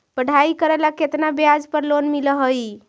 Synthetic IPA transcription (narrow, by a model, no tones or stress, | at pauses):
pəɽ̤ʱaikəɾɛlaket̪nabjad͡ʒpəɾlonmiləɦəj